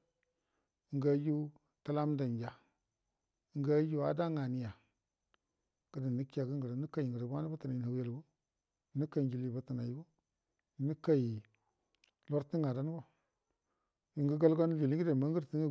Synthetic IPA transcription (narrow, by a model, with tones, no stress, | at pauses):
ŋ˦ɡa˦ju˦ | ta˦la˦m˦da˨n˨d͡ʒa˨˦ | ɡa˦ju˦a̰˦da˦ŋa˨ni˦ja˨ | ɡ̥ə˦da˨ni˦ki˦a˨ɡə˦ŋɡə˨ɾni˦ka˨ŋɡə˨ɾbʷa˦ni˦ba˦ta˨na˨i˨a˨wja˨lɡo˦ | nu˦ka˨d͡ʒi˨li˨ba˨ta˨na˨ji˦ɡo˦˨ | ni˦ka˦i˨ | lo˦ɾti˦ŋa˨da˦n˦ɡo˨ | i˨ŋɡə˦ɡa˦lɡo˦n˦d͡ʒi˨li˦ɡə˦da˨ma˦ɡə˦ɾi˦ŋa˦